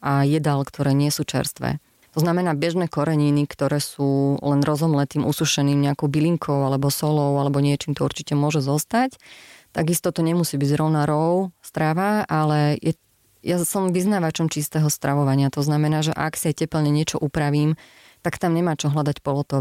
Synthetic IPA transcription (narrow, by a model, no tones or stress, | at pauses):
ajɛd̪alkt̪ɔɾɛːɲɪɛsut͡ʃɛ̰ɾst̪ʋɛ̰ | t̪ɔznamɛnaːbɛʒnɛːkɔɾɛɲinikt̪ɔɾɛːsuːlɛnɾɔzɦɔmlɛːt̪iːmʔusuʃɛniːmɲɛakɔʊbiliŋkʰɔʊalɛbɔsɔlɔʊalɛbɔɲɪɛt͡ʃiːmt̪ɔuɾt͡ʃicɛmʊɔʒɛzɔst̪act̪aɡist̪ɔt̪ɔɲɛmusiːbiɟzɾɔʊnaɾɔʊst̪ɾaʋaʔalɛjɛ | jasɔmʋiznaːʋat͡ʃɔmt͡ʃist̪ɛɦɔst̪ɾʔaʋɔʋaɲɪat̪ɔznamɛnaːʒɛ̰ʔa̰ksiacɛpɛlɲɛɲɪɛt͡ʃɔʔupɾaʋiːm | t̪akt̪amɲɛmaːt͡ʃɔɦlad̪acpɔlɔt̪ɔ